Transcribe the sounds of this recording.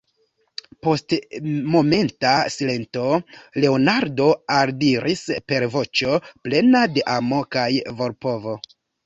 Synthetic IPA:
po̞stmo̞me̞ntasile̞nto̞le̞onaɾdo̞aɾdiɾʔispe̞ɾvo̞t͡ʃo̞ple̞nade̞ʔamo̞kajvo̞ɾpo̞vo̞

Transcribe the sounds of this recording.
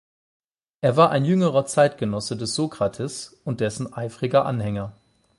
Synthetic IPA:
ʔeːɐvaːɐʔaɪnjʏŋəʁɐt͡saɪtɡ̥ənɔsədɛsz̥oːkʁ̥atʰɛsʊnt̚d̥ɛsn̩ʔaɪfʁ̥ɪɡɐʔa̰nhɛŋɐ

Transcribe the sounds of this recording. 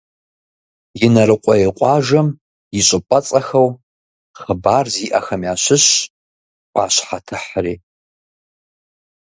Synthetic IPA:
jɪnɐɾɨqʷʼɔjeqʷʼɑːʒɐm | jɪɕʼɪpʷʼɐt͡sʼɐxɐw | χəbaːrziːʔɐ̰xɐmjaːɕɪɕ | kʷʼaːɕħatʰɨħriː

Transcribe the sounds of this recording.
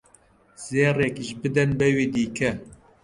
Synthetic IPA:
z̥eːrɛkiʒbɨd̪ɛnbɛweːd̪iːkʰɛ

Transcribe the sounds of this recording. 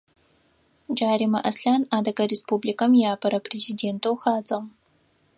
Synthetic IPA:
d͡ʒaːɾimɐʔɐsɬaːnaːdɐɡɐɾespublikɐmjaːpʰɐɾɐpʰrezideːntʰowxaːt͡sʼɐʁ

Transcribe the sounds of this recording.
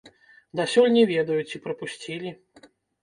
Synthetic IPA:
d̪asʲɔlʲnʲɛvʲɛd̪ɐjut͡sʲipɾɐpusʲt͡sʲilʲi

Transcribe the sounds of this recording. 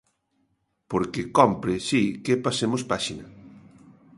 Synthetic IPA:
poɾkekɔmpɾesikepasemospaʃinɐ

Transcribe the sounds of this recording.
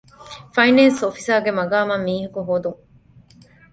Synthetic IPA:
fɐjnensofi̥saːɡemɐɡaːmɐmːiːɦɐkuɦoːd̪uŋ

